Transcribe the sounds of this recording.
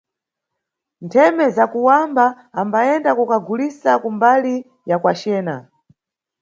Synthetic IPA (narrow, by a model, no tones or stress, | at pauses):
ntʰɛmɛzakuwambaː | mbaɛndakukaɡulisakumbali | jakwat͡ʃɛːna̰